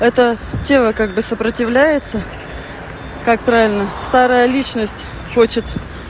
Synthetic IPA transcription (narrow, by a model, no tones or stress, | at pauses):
ɛt̪ətʲe̞lˠəkaɡ̚bɨsəpɾətʲɪvlʲæjɪt̪sə | kak̚pɾavʲɪlʲnəst̪aɾəjəlʲit͡ɕnəsʲtʲ | xot͡ɕɪt̪